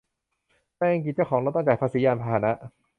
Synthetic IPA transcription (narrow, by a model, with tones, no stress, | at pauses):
pɛː˥˧a˧ŋki˨˩t͡ɕa˧˩wkʰɔː˩˦ŋlo˦˥t̪̚ːɔ˥˩t͡ɕaː˨˩pʰa˧siː˩˦jaː˧npʰaː˧haː˨˦na˦˥ʔ